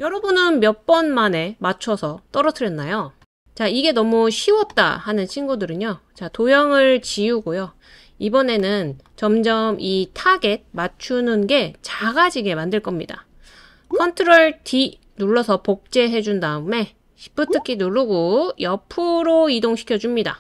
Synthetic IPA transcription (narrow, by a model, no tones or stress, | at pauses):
jʌɾʌbunɯnmjʌk̚p͈ʌnmane̞mat͡ɕʰʌsʰʌt͈ʌɾʌtʰɯɾjʌnːajo | t͡ɕaiɡe̞nʌmuɕʰiwʌt̚t͈a̰hanɯnt͡ɕʰinɡudɯɾɯɲot͡ɕatojʌŋɯɭt͡ɕiuɡojo | ibʌne̞nɯn | t͡ɕʌmd͡ʑʌmʔitʰaɡe̞d̚mat͡ɕʰunɯnɡe̞t͡ɕaɡad͡ʑiɡe̞mandɯɭk͈ʌmɲida̰ | kʰʌntʰɯɾoɭtʰi | nuɭːʌsʰʌpok̚t͡ɕ͈e̞ɦe̞d͡ʑundaɯme̞ | ɕʰi̥p͈ɯtʰɯkʰinuɭːuɡojʌpʰuɾoidoŋɕʰi̥kʰjʌd͡ʑumɲida̰